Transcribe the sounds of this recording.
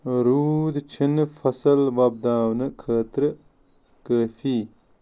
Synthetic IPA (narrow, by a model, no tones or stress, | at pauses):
ɾuːd̪t͡ʃʰinfɐsɐlʋaːb̚d̪aːwnɐkʰaːt̪ɾə | kəːfi